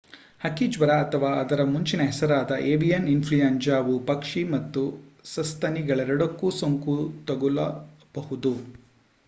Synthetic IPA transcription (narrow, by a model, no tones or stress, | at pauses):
hɐkid͡ʒʋɐɾaɐt̪ʰɐʋaːɐd̪ɐɾɐmuɲt͡ʃinɐɦɛsɐɾaːd̪ɐʔeːbijɐninpʰlijɐnd͡ʒaːʋupɐkʂimɐt̪ːusɐst̪ʰɐniɡɐɭɛɾɐɽɐkːusoŋkut̪ɐɡulɐ | b̥ɐhud̪u